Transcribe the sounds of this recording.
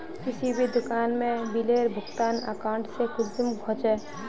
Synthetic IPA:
kɪsibʱid̪ʊkaːnmẽbileːɾbʱʊkt̪aːna̰ːkãːɳʈsekʊld͡ʒ̪əmɡʱɔ̃t͡ʃɛ

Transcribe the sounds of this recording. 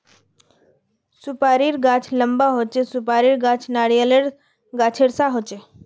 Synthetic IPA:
sʊpaːɾiɾɡãːt͡ʃʰləmbaɦot͡ʃesʊpaːɾiɾɡãːt͡ʃʰnaːɽijəleɾ | ɡaːt͡ʃʰeɽsaɦoːt͡ʃe

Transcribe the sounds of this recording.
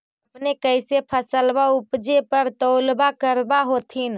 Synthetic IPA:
əpnekəjsepʰəsəlbaupd͡ʒepəɾt̪əwlbakəɾbaɦot̪ʰin

